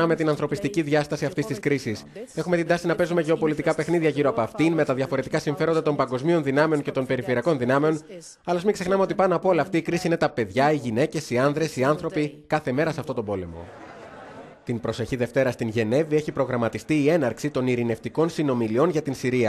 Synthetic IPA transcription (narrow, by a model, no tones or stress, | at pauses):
ɐme̞t̪inɐnθɾo̞pist̪iciðʝɐst̪ɐsiɐft̪ist̪iskɾisise̞xumet̪ind̪ɐsinɐpe̞zume̞ʝe̞o̞po̞lit̪ikɐpe̞xniðʝɐʝiɾo̞ɐpoɐft̪inme̞t̪ɐðʝɐfo̞ɾe̞t̪ikɐsiɱfe̞ɾo̞nd̪ɐt̪o̞mpɐŋɡo̞zmio̞nðinɐme̞o̞nce̞t̪o̞npe̞ɾifeɾiɐko̞nðinɐme̞o̞n | ɐlo̞zmiŋksexnɐmeot̪ipɐnɐpo̞lɐːft̪iːkɾisiinet̪ɐpe̞ðʝɐiʝine̞ce̞siɐnðɾe̞siɐnθɾo̞pikɐθe̞me̞ɾɐseɐft̪o̞t̪o̞bo̞le̞mo̞̰ | t̪inpɾo̞se̞çiðe̞ft̪e̞ɾɐst̪inʝe̞ne̞vie̞çipɾo̞ɣɾɐmɐt̪ist̪iːe̞nɐɾksit̪o̞niɾine̞ft̪iko̞nsino̞milio̞nʝɐt̪insiɾiɐ